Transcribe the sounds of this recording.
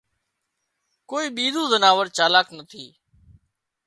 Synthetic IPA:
koːiːɓiːd̪ũːzənaːʋəɾt͡ʃaːlaːknət̪ʰiː

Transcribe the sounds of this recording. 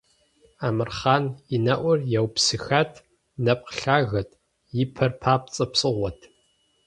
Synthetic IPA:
aːmɨrχaːninɐʔʷɔrjɛwpsɨxatʰ | nɐp̚qɬaːɣɐtʰ | jɪpʰɐrpʰaːp̚t͡sʼɐpsʼɨʁʷɔtʰ

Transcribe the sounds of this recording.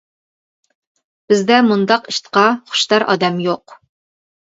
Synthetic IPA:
b̥ɪzd̪ɛmund̪ɑqiʃt̪qɑχʊ̥ʃd̪ɑɾʔɑ̰d̪ɛmjoq

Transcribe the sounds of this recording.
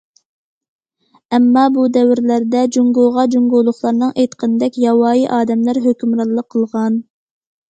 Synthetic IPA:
ɛmːɑbud̪ɛwɪɾlæɾd̪ɛd͡ʒuŋɡoʁɑd͡ʒuŋɡolˠʊχlˠɑɾnɨŋʔejt̪qʰənɨd̪ɛkʲjɑwɑːjiʔɑːd̪ɛmlæɾɦøkʲymɾɑllˠːəqʰːəlˠʁɑn

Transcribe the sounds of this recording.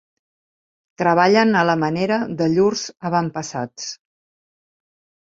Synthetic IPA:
t̪ɾəβ̞aʎənələməneɾəðəʎurzəβampəsat͡s

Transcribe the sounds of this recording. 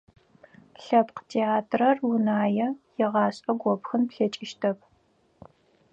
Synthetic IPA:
ɬɐpqtʰeːaːtʰrɐrwʊnaːjɛjɪʁɑːɕʼɐɡʷɔpxɨnpɬɐt͡ʃʼɪʃtʰɐp̚

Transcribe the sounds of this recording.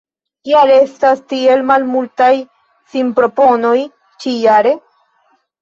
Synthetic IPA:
kiale̞stastie̞lmalmultaj | simpɾo̞po̞no̞j | t͡ʃijaɾe̞

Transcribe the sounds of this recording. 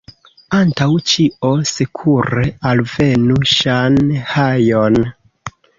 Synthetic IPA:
antawt͡ʃio̞sekʰuɾe̞alve̞nuʃanhajon

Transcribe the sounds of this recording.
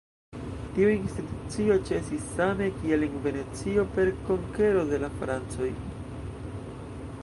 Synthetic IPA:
tiuinstitut͡sio̞t͡ʃe̞sisːame̞kie̞leŋve̞ne̞t͡sio̞pe̞ɾko̞ŋke̞ɾo̞de̞lafɾant͡so̞j

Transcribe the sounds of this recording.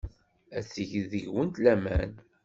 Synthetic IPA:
æθəʝðəʝwənt̪læmæn

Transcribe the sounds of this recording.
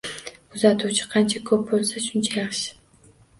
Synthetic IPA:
ʊzat̪ʰuwt͡ʃʰɪ̥qʰɑnt͡ʃʰakʰɵp̚bolˠsaʃʊnt͡ʃʰajɑχʃɪ̥

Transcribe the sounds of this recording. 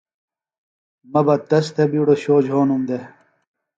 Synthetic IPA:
mɐbɐt̪ɐst̪ʰebiɽoɕoːd͡ʑɦoːnumd̪e

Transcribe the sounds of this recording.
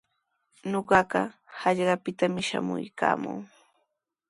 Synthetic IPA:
noɢɑɢɑ | hɑʎɢɑpɪt̪amɪʃamʊjkaːmʊŋ

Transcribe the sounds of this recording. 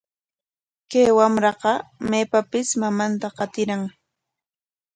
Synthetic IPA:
kajwamɾɑqɑmeːpapɪsmamant̪aqɑt̪ɪɾaŋ

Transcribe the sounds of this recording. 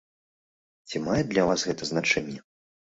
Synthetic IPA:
t͡sʲimajɛd̪lʲɐvasɣɛt̪ɐznat͡ʂɛnʲːɛ

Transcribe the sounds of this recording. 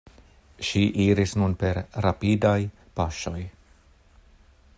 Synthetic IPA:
ʃiʔiɾisnunpe̞ɾɾapidaj | paʃo̞j

